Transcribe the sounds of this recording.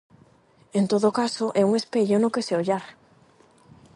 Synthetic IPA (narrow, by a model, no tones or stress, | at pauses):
ent̪oðokasoʔɛuŋespeʎonokeseoʎaɾ